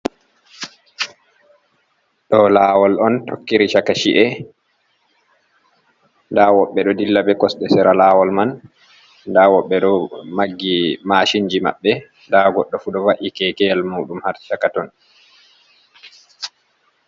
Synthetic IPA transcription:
ɗɔlaːwɔlɔnto̰kːiɾiʃakaʃiʔɛ | ndawɔɓːɛɗɔdilːabɛkɔsɗɛsɛɾalaːwɔlman | ndawɔɓːɛɗɔmaɡːimaʃiɲd͡ʒima̰ɓːɛ | ndaɡɔɗːɔfuɗɔwaʔikɛkɛlmuːɗumhaɾʃakatɔn

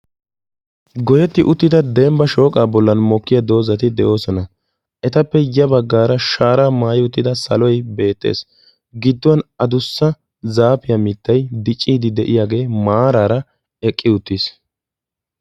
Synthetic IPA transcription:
ɡɔjɛt̪ːɪʔʊt̪ːɪd̪ɐd̪ɛmbɐʃo̞ːkʼaːbɔlːɐnmɔkːɪjɐd̪o̞ːzɐt̪ɪd̪ɛʔo̞ːsɔnɐ | ʔɛt̪ɐpːɛjɐbɐɡːaːɾɐʃaːɾaːmaːjɪʊt̪ːɪd̪ɐsɐlɔjbe̞ːt̪ːḛːs | ɡɪd̪ːɔwɐnɐd̪ʊsːɐ | zaːpɪjɐmɪt̪ːɐjd̪ɪt͡ʃʼːiːd̪ɪd̪ɛʔɪjaːɡe̞ːmaːɾaːɾɐ | ɛkʼːɪʊt̪ːis

